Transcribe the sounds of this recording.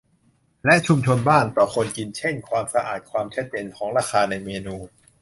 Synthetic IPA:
lɛ˦˥ʔt͡ɕʰu˧mt͡ɕʰo˧nbaː˥˩npɾɔ˧˩kʰo˧nki˧nt͡ɕʰe˥˩nkʰwaː˧msa˧ʔa̰ː˨˩t̪̚kʰwaː˧mt͡ɕʰa˦˥t̪̚t͡ɕeː˧nkʰɔː˩˦ŋɾaː˧xʰaː˧na˧jmeː˧nuː˧

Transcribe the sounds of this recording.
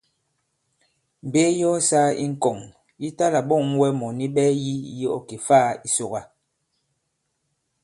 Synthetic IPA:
m̩˨be˦jɔ˦saː˦ḭ˦ŋ̩˨kɔ˨ŋ | ji˦ta˦la˨ɓɔ˦˨ŋ˦wɛ˦mɔ˨ni˦ɓɛ˦ji˦˨˦ji˦ɔ̰˨ki˨faː˦˨i˦so˨ɣa˨

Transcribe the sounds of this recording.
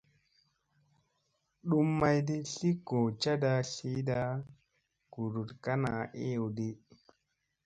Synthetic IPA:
ɗu˦mːa˦jdi˦ɬi˦ɡ̥o˨t͡ʃa˦da˧ɬi˦da˦ | ɡ̥u˨ɾu˨tka˦na˨e˦o˨wdi˦

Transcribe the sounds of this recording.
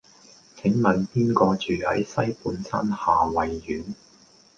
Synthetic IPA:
t͡sʰɪ˨˥ŋmɐ˨˩npiː˥nkɔː˧t͡ʃyː˨˩hɐ̰˨˥jsɐ˥jpuː˨˥nsɐ̰˥nhaː˨˩wɐ˨jːyː˨˥n

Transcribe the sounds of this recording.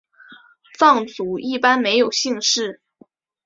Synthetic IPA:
fɑ˥˩ŋt͡su˧˥i˥˩pa˥nme˧˥ɪjo˨˩ʊɕi˥˧ŋʂɻ̩˥˩

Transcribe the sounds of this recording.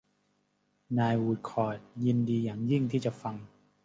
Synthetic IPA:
naː˧jwuː˧tkʰɔː˨˩t̪̚ji˧ndiː˧jaː˨˩ŋji˥˩ŋt̪ʰiː˥˩t͡ɕa˨˩fa˧ŋ

